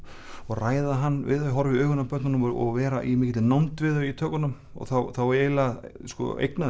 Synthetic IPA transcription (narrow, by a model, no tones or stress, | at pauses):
ɔɣraːjðaɦanːvɪ̰ðœɦɔɾvɪœːɣʏnapʰœt̪nʏmɔ̰ɣvɛːɾaʔimɪːcɪt̪ɪnawnt̪vɪðœit̪ʰœːkʏnʏm | ɔ̰ɣθawθaweːjlaskɔ̰ḛjkna